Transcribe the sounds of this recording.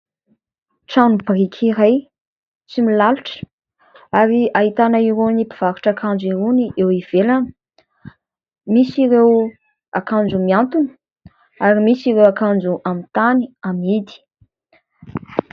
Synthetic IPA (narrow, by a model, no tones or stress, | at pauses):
ʈ͡ʂanubrikʲʰiɾaj | t͡similaluʈ͡ʂə̥ | aɾiaɦit̪anaiɾonipiv̥aɾu̥ʈ͡ʂakʰand͡ʒiɾoniʔewiv̥elanə̥ | misiɾew | akand͡ʒumiant̪unə̥ | aɾimisiɾewakand͡ʒuʔamint̪aniamid̪i̥